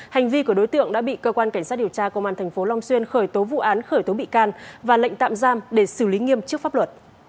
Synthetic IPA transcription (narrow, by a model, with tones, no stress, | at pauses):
ha˨˩jŋ̟vi˧ku˧˩əɗo˨˦jt̪ɨ̰˧˨əŋɗa̰ː˧˥ɓḭ˧˨kəː˧kwaː˧nka˧˩ŋ̟saː˦˥t̚ɗəwt͡ɕaː˧kə˧˩wmaː˧˩nt̪ʰɛ˨˩jŋ̟fo˨˦la˧wŋ͡mswi˧ənxəː˧˩jt̪o˨˦vṵ˧˨ʔaː˨˦nxəː˧˩jt̪o˨˦ɓḭ˧˨kaː˧nvaː˨˩lə̰˧˨ŋ̟t̪a̰ː˧˨mzaː˧mɗe˧˩sɨ˧˩li˨˦ŋi˧əmt͡ɕɨ˦˥ək̚fa˦˥p̚lwə˨˩t̚